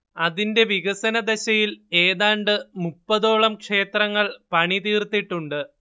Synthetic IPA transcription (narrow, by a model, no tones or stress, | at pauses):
ɐðinde̞ʋiɣɐsɐnɐd̪eɕɐjile̞ːðaːɳɖɨmupːɐðo̞ːɭɐmkʂe̞ːt̪rɐŋːɐɭpɐɳit̪iːrt̪ːiʈːuɳɖɨ